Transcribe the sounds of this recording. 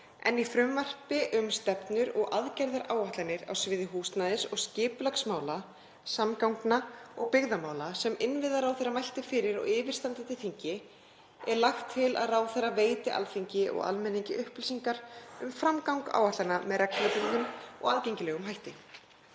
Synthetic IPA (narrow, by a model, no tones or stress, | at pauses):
ɛ̰nifɾʏmvar̥pɪʔʏmst̪ɛpnʏɾɔ̰ɣʔaðcajɾðaɾʔaːwaht̪anɪɾa̰wsvɪːðɪɦuːst̪naðɪsɔɣscɪːplaksmaːwla | samkawŋknaɔɣpɪɣðamaːwlasɛmɪnvɪðaɾawθerːamajl̥t̪ɪ̥fɪːɾɪɾa̰ɣɪːvɪ̥st̪ant̪ɪt̪ɪlθiɲcɪ | ɛɾlaxt̪ʰːɪla̰ðraːwθɛraveːjt̪ɪʔa̰lfiɲcɪʔɔ̰ɣa̰lmɛnːiɲcɪʔʏhplɪsiŋkaɾ̥ʏmfɾamkawŋka̰ːwaht̪lanamɛɾak̪ɛt̪ɪlðʏmɔ̰ɣaðcejɲcɪlɛːɣʏmɦajht̪ɪ